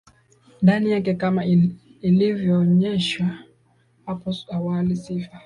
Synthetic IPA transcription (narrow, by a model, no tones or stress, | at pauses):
ndanijakɛkama | ilivjɔːɲɛʃwa | hapɔawalisifa